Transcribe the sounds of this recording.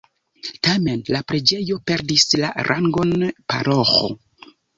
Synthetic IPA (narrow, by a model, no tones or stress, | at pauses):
tame̞nlapɾe̞d͡ʒe̞jo̞pe̞ɾdisla̰ɾʔaŋɡo̞npa̰ɾoxo̞̰